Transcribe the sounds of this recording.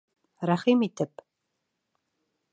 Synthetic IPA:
raχiːmiːtʰɨpʼ

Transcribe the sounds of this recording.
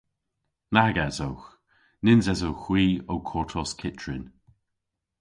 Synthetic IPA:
naɡazowx | nɪnzɛzowxwiːowkʰɔɹtʰɔskʰɪt͡ʃɹɪn

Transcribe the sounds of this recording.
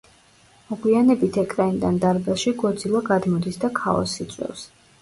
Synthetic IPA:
mɔɡwianɛbit̪ʰɛkʰʼɾaind̪and̪aɾbɛlˠʃiɡɔɾd̪zilˠɔɡad̪mɔd̪isd̪akʰaɔ̰sit̪sʼwɛ̰fs

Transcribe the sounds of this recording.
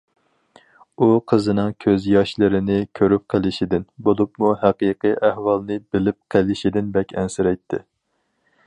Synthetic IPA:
uqʰəzɨnɨŋkʲʰøzjɑʃlˠɨɾɪnɪkʲʰøɾyp̚qʰəlˠɪʃɪd̪ɪnbolˠup̚muhæqiqɨjʔæhwɑlˠnɨbɪlɪp̚qʰəlɪʃid̪ɪnbɛkʲʰɛnsɪɾɛjt̪ʰːɪ̰

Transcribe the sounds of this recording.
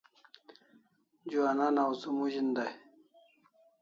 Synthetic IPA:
d͡ʑuananausumuʑind̪aj

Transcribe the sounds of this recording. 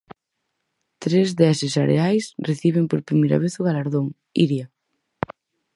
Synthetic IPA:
t̪ɾezðɛsɪsaɾḛajsreθiβ̞empoɾpɾimejɾa̰β̞eθʊɣalaɾðoŋ | iɾja

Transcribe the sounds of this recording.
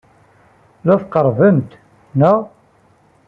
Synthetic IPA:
ðæθqəɾˤvəmt̪ | næ

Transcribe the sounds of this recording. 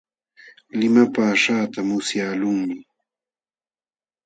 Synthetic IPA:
lɪmapaːʂaːt̪amʊsjaːlʊŋmɪ

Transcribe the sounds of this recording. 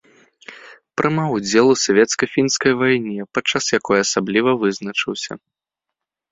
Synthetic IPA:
pɾɨmaud͡zʲɛlˠusavʲɛt̪skɐfʲinskɐjvajnʲɛpat͡ʂasjakɔjɐsablʲivɐvɨznɐt͡ʂɨwsʲɐ̰

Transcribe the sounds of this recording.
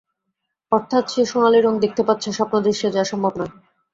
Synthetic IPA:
ɔɾt̪ʰat̪ɕeʃonaleɾoŋd̪ek̚ʰt̪epat̪ːɕʰaʃɔpnod̪ɾeʃiod͡ʑaʃɔmbʱabnae

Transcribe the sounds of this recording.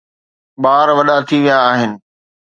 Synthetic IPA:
ɓaːɾʋɐɗat̪ʰiʋijaːɦɪnɪ̆

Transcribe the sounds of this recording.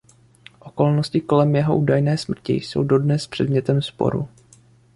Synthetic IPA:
ʔo̞ko̞lnoscɪko̞lɛmjɛɦo̞ʔuːdajnɛːsmr̩cɪ̰so̞̰wdo̞dnɛspr̝̥ɛ̰dmɲɛt̪ɛmspo̰ɾṵ

